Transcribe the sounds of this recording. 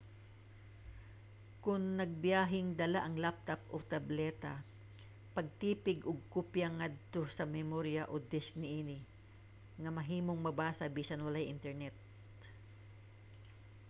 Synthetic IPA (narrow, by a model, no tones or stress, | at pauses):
kʊŋnɐɡ̚bɪjaːɦɪŋd̪ɐlaʔɐŋlap̚t̪ap̚ʔot̪ɐblɛːt̪a | pɐɡ̚t̪iːpɪɡʔoɡ̚kupjɐŋad̪̚t̪o̞sɐmɛmoɾjɐʔod̪ɪsnɪʔiːnɪ | ŋɐmɐɦiːmoŋmɐbaːsɐbiːsɐnwɐlajʔɪnt̪ɛɹnɛt̪̚